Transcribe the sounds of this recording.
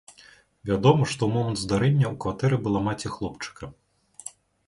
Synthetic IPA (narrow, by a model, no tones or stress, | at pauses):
vʲad̪ɔmɐʂt̪ɔwmɔmɐnd̪zd̪aɾɛnʲːɐukvat̪ɛɾɨbɨlˠamat͡sʲɛxlˠɔpt͡ʂɨ̥kɐ